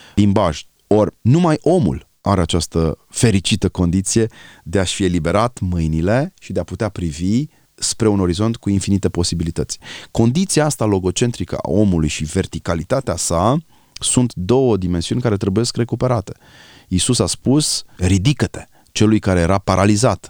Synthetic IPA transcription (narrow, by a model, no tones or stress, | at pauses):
limbaʒ | o̞rʲnumajo̞mṵl | aɾe̞at͡ʃast̪əfe̞ɾit͡ʃit̪əko̞nd̪it̪sije̞d̪e̞aʃfie̞libe̞ɾat̪mɨjnile̞ʃid̪eaput̪eapɾivi | spɾe̞uno̞ɾizo̞nt̪kuinfinit̪e̞po̞sibilit̪ət̪sʲko̞nd̪it̪siaast̪alo̞ɡo̞t͡ʃe̞nt̪ɾikə̰a̰o̞mulujʃive̞rt̪ikalit̪at̪easa | sunt̪d̪o̞wəd̪ime̞nsiunʲkaɾe̞t̪ɾe̞buje̞skre̞kupe̞ɾat̪e̞̥ | isusaspusɾid̪ikət̪e̞̥ | t͡ʃe̞lujkaɾeje̞ɾapaɾʔalizat̪